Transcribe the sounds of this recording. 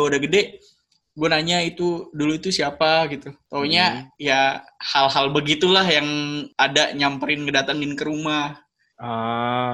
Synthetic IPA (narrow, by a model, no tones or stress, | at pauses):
udaɡədɛʔ | ɡuanaɲait̪uduluit̪usiapaɡit̪ut̪auɲajahalɦalbəɡit̪ulahjaŋadaɲampəɾɪnkədat̪aŋdɪnkəɾumah | ə